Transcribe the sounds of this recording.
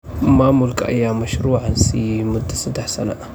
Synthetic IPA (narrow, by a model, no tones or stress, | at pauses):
ɨmamulkʼa̰ʔɨjamɐʃɾuʕansimud̪ɨsɨd̪aħsɐna̰ʔ